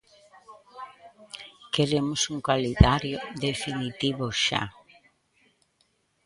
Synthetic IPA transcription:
keɾemʊsuŋkalidaɾjoðefinit̪iβʊʃa̰

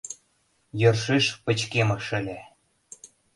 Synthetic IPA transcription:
jɤrʃeʃpə̆t͡ɕkemə̆ʃə̆lʲe

